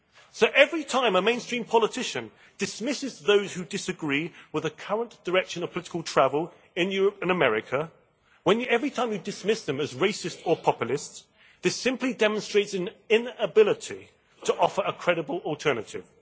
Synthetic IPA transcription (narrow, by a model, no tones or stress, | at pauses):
soʊʔɛvɹitʰãɪ̃məmẽɪ̃nstɹ̥ĩmpʰɒlətʰɪʃə̃n | d̥ɪsmɪsɪzðoʊz̥hʉdɪsəɡɹiːwɪðəkʰʌɹə̃nd̥əɹɛkʃə̃nəv̥pʰəlɪɾɪ̥kəlˠtʰɹ̥ævəlˠ | ɪ̃njʊɹəpɨ̃nəmɛɹɪkʰə | wə̃njɛvɹitʰãɪ̃mjɨdɨsmɪsðə̃məzɹeɪsɪstə˞pʰɒpjəl̩ˠɪsts | ðɪsɪ̃mplidɛmə̃nstɹ̥eɪtsɨ̃nɪ̃nəbɪlɪtʰi | tʰəʔɔfə˞əkʰɹ̥ɛɾəbəlˠɔlˠtʰɜ˞nətʰɪ̰v̥